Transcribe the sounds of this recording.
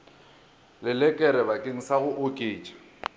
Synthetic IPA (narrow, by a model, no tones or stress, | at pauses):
lɪlɛkʼɛɾɛbakʼɪŋ̩saɣʊʔʊkʼeːt͡ʃʼḁ